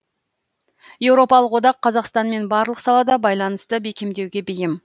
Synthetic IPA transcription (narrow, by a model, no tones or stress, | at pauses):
je̞wɾo̞pɑlˠəqwo̞d̪ɑqʰːɑzɑqst̪ɑnme̞nbɑɾlˠəqsɑlˠɑd̪ɑbɑjlˠɑnəst̪əbe̞kʲe̞md̪e̞wɡʲe̞bejɪm